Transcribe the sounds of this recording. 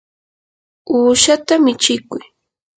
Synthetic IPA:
uːʃat̪amɪt͡ʃɪkʊj

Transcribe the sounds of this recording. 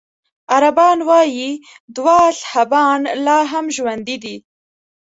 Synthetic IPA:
aɾabɑːnwɑji | d̪wɑɬhabɑnlɑːɦamʒwand̪id̪i

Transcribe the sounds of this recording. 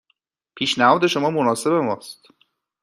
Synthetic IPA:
pʰiːʃnæhɒːd̪e̞ʃo̞mɒːmo̞nɒːse̞be̞mɒːst̪

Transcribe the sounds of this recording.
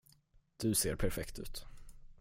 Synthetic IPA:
d̪̥ɵseːɾpʰæɾfɛkt̪ʉ̟̰ːt̪

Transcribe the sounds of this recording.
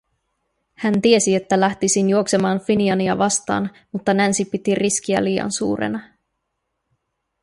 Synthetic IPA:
hænt̪ie̞sie̞t̪ːælæht̪isinjuo̞kse̞mɑːnfiniɑniɑʋɑst̪ɑ̰ːn | mut̪ːɑnænsipit̪irisk̟iæ̰liːɑ̰nsṵːɾḛnɑ

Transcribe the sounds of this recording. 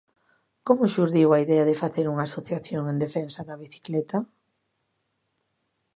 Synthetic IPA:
komʊʃuɾðiwaiðɛɐðɪfaθeɾuŋasoθaθjoŋend̪efɛnsɐðɐβiθi̥klɛt̪ɐ

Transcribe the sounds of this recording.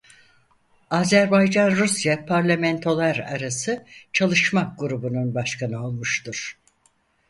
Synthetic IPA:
aːzæɾbajd͡ʒanɾusjapʰaɾlʲamɛnt̪ʰo̞lˠaɾa̰ɾasɯt͡ʃʰalˠɯʃmak̚ɡuɾubununbaʃkʰanɯo̞lˠmuʃt̪uɾ̥

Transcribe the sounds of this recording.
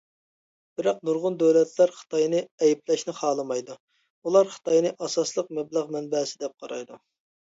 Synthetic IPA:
b̥ɪɾɑq̚nuɾʁʊnd̪øwlɛt̪læɾχə̥t̪ʰɑjnɨɛjiplɛʃnɨχɑːlˠɨmɑjd̪u | ulˠɑɾχɨ̥t̪ɑjnɨʔɑsɑslˠəq̚mɛblˠæʁmɛnbɛsɪd̪ɛp̚qʰɑɾɑjd̪u

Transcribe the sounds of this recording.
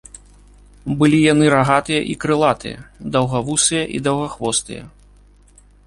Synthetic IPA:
bɨlʲijanɨɾaɣat̪ɨjɐ̰ʔikɾɨlˠat̪ɨ̰jɐ̰d̪ɐwɣavusɨjɐʔid̪ɐwɣɐxvɔst̪ɨ̰jɐ̰

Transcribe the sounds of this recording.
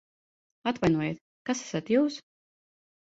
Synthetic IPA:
at̪vajnuɔjet̪ | kasæ̥sat̪juːs

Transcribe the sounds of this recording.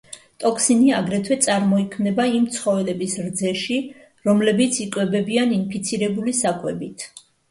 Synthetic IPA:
t̪ʼɔkʰsiniaɡɾɛt̪ʰwɛt̪sʼaɾmɔikʰmnɛbaimt̪sʰχɔvɛlɛbisɾd̪zɛʃi | ɾɔmlɛbit̪sʰikʼwɛbɛbianinpʰit̪sʰiɾɛbulisakʼwɛbit̪ʰ

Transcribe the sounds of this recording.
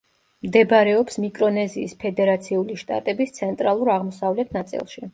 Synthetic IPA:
md̪ɛbɾɛɔpsmikʼɾɔnɛziːspʰɛd̪ɛɾat̪sʰiuliʃt̪ʼa̰t̪ʼɛbist̪sʰɛnt̪ʼɾalˠuɾaʁmɔsavlɛt̪ʰnat̪sʼḭlˠʃi

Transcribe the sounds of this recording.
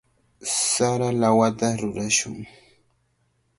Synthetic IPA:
saɾalawat̪aɾʊɾaʃʊ̰ŋ

